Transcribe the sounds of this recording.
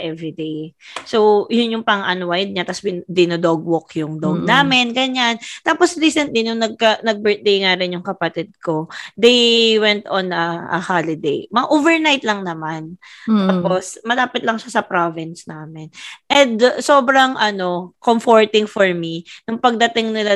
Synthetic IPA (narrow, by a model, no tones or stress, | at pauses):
ʔɛvɹid̪ejsowjʊnjʊŋpɐŋʔɐnwajd̪̚ɲat̪ɐsbɪd̪ɪnod̪oɡ̚wokjʊŋd̪oɡ̚naːmɪnɡɐɲant̪aːposɾiːsɛnt̪lɪnʊŋnɐɡ̚kɐnɐɡ̚bɛɹt̪̚d̪ejŋaɾɪnjʊŋkɐpɐt̪ɪd̪̚ko̞d̪ejwɛnt̪onɐʔɐ̰halɪd̪ḛjmɐŋaʔoːvɛɹnajt̪lɐŋnɐmant̪aːposmɐlaːpɪt̪lɐŋʃasɐpɾovɪnsnaːmɪnʔɛnd̪soːbɾɐŋʔɐno̞komfoɹt̪ɪŋfoɹminʊŋpɐɡ̚d̪ɐt̪ɪŋnɪla